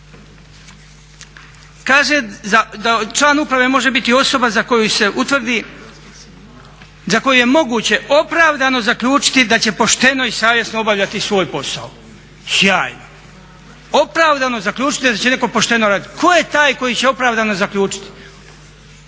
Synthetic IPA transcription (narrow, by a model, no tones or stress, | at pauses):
kaːʒead̪at͡ʃlˠaːnupɾaʋe̞mo̞ʒe̞bit̪io̞so̞bazakojuse̞ʔut̪ʋr̩d̪i | zako̞juje̞mo̞ɡuːt͡ɕe̞o̞pɾaːʋd̪ano̞zakʎuːt͡ʃi̥t̪id̪at͡ɕe̞po̞ʃt̪e̞no̞isaːʋje̞snoo̞baʋʎʲat̪isʋo̞ːjpo̞sa̰o | xjaːjno | o̞pɾaːʋd̪anozakʎʲuːt͡ʃi̥t̪id̪at͡ɕe̞ne̞ko̞po̞ʃt̪e̞no̞ɾaːd̪it̪kʰo̞jet̪aːjko̞jiːt͡ɕe̞o̞pɾaːʋd̪anozakʎʲuːt͡ʃi̥t̪i̥